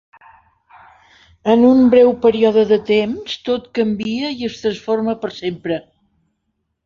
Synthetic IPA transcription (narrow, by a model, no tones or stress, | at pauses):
ənumbɾɛwpəɾiɔðəðət̪emst̪ot̪kəmbiəiəst̪ɾənsforməpəɾsempɾə